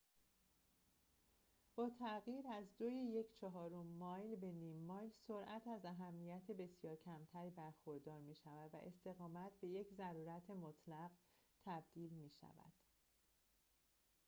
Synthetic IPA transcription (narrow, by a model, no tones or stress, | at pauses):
b̥ɒːt̪ʰæɣjiːɾæzd̪ojeje̞cʰt͡ʃʰɒɦɒːɾomːɒːjlbe̞niːmːɒːjlso̞ɾʔæt̪ʰæzæɦæmːijæt̪ʰebe̞sjɒːɾcʰæmt̪ʰæɾiːbæɾxo̞ɾd̪ɒːɾmiːʃævæd̪væ̰ʔe̞st̪e̞ɣɒːmæt̪ʰbe̞je̞cʰzæɾuːɾæt̪ʰemot̪ʰlæɣt̪ʰæb̚d̪̥iːlmiːʃæ̰væ̰d̪̥